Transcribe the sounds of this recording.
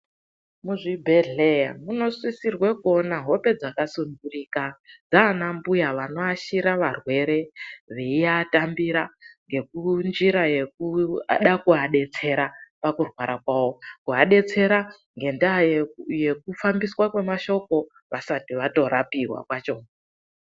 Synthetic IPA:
muʐibʱeɮeja̰muno̞swisirwe̞ko̞naɦo̞pe̞d͡zakasundurikad͡zaːnambujaʋano̞aʃiɾaʋarwe̞ɾe̞ʋe̞iatambiɾaŋɡe̞k̚und͡ʒiɾaje̞k̚uɗakuɦaɗe̞t͡se̞ɾapakurwaɾakwaːwo̞kuɦaɗe̞t͡se̞ɾa | ŋɡe̞ndaajje̞k̚ufambiswakwe̞maʃo̞ko̞ | ʋasatiʋato̞ɾapiɦwa̰kwat͡ʃo

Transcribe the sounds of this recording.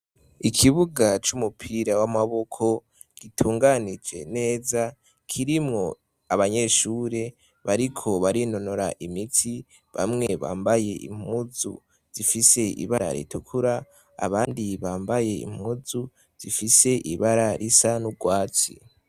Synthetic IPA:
ikʰiβuɡat͡ʃumupʰiɾawamaβo̞kʰo̞ | ɡ̥itʰuːŋɡanid͡ʒe̞̰ne̞ːza | kʰiɾimŋo̞ | aβaɲe̞ʃuːɾe̞ | βaɾikʰo̞βaɾino̞no̞ɾaʔimitʰi | βa̰mŋe̞βa̰ːmbaje̞ḭm̥uzṵ | z̥ifise̞ḭβaɾa̰ɾḭtʰukʰuɾa | a̰βaːndiβaːmbaje̞ḭmuzu | z̥ifise̞ʔiβaɾaɾisanuɡwaːt͡sḭ

